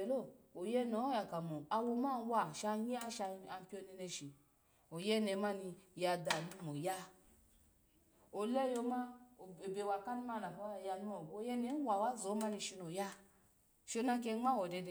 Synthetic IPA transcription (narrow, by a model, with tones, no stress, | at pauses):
e˨lo˦˨o˨je˦no˨˦ja˨ka˨mo˨a˧wo˧ma˦˨n˦wa˧ʃa˧ɲi˦a˦ʃa˧a˧m˦pʲi˦o˧˦ni˧ne˧ʃi˨ | o˨je˦ne˨˧ma˦ni˧ja˧da˨nu˦mo˨ja˦ | o˨le˦jo˧ma˦˨be˧˨wa˧ka˦ni˦ma˦na˨ka˦˧˨ja˧n˦mo˨bo˧˨˦je˦ne˨˦wa˨wa˦zo˨˦ma˦ni˧ʃi˧no˨ja˦ | ʃo˧na˧ke˧˦ŋ͡ma˦wo˨de˧de˨